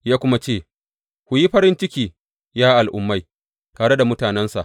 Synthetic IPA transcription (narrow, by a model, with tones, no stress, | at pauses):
jaː˦kʷʊ˦ma˦t͡ʃeː˦˨ | kʷʊ˨ji˦ɸɐ˦ɾɪ˦nt͡ʃɪ˦kʲiː˨ | jaː˦ʔa˨lʔʊ̰˦mːa˦j | taː˨ɽe˦da˨mʊ˦taː˨nɛ˦nsa̰˨ʔ